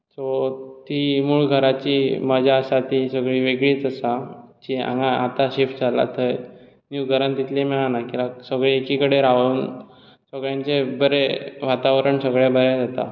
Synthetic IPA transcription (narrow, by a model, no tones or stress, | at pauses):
sot̪imuːɭɡʱəɾat͡ɕiməd͡ʑʱaəsat̪isəɡɭiːʋeɡɭiːt͡səsat͡ɕiã̰ŋɡaat̪aɕefʈd͡zala̰t̪ʰəj | njuɡʱəɾant̪it̪lemɛɭanakilaksəɡɭeːkikəɽeɾaʋəuːn | səɡɭjãɲt͡sebəɾeʋat̪aʋɾəɳsəɡɭjabəɾɛd͡zat̪a̰